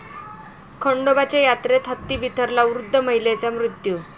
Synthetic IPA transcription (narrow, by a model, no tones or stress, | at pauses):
kʰəɳɖobat͡ɕejat̪ɾet̪ɦət̪ːiːbit̪əɾlaʋɾud̪ʱːəm̤əjlet͡samɾut̪ju